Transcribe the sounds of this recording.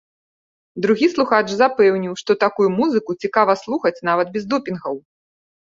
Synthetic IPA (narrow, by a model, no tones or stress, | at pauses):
d̪ɾuɣʲislˠuxat͡ʂzapɛwnʲiwʂt̪ɔt̪akujumuzɨkut͡sʲikavɐslˠuxɐt͡sʲn̪avɐt̪̚bʲɛzd̪ɔpʲinɣɐw